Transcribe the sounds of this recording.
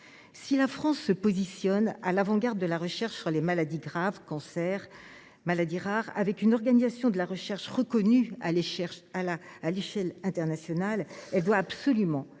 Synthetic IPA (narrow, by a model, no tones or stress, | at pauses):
silafχɑ̃sːəpozisjɔna̰lavɑ̃ɡaʁd̪ːəlaʁəʃɛʁʃsyʁlemalad̪iɡʁavkɑ̃sɛʁ | malad̪iʁaʁa̰vɛkynɔʁɡanizasjɔ̃d̪əlaʁəʃɛʁʃʁəkɔnyaɛlaːleʃɛlɛ̃t̪ɛʁnasjɔnalɛld̪waːbsɔlymɑ̃